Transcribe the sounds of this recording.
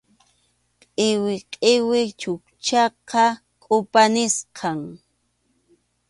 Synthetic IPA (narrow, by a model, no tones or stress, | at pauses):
qʼɪwɪqʼeɪwɪt͡ʃʊkt͡ʃɑqɑ | kʼʊpanɪsqʰɑŋ